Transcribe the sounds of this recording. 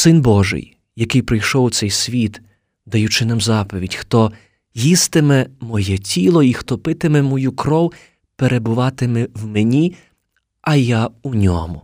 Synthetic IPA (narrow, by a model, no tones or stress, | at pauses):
sɪnbɔʒɪ̰j | jɐkɪjpɾɪjʃɔwʊsɛjsʲʋʲit̪ | d̪ɐjut͡ʃɪnɛmzɑpɔʋʲidʲxt̪ɔ | jist̪ɪmɛmɔjɛtʲilˠɔixt̪ɔpɪt̪ɪmɛmɔjukɾɔw | peɾebʊʋɑt̪ɪmɛwmenʲi | ɐjaunʲɔ̰mʊ